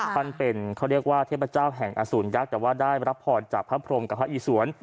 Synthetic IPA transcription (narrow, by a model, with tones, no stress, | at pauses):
fa˧npe˧nkʰa˦˥˩ɾi˥˩ək̚waː˥˩t̪ʰe˥˩pːa˧t͡ɕaː˥˩wɦɛ˨˩ŋʔa̰˧suː˩˦nja˦˥k̚t̪ɛː˨˩waː˥˩daː˥˩jɾa˦˥p̚ʰːɔː˧nt͡ɕaː˨˩k̚pʰːa˦˥pʰɾo˧mka˨˩pʰːa˦˥ʔiː˧˩˦su˩˦ən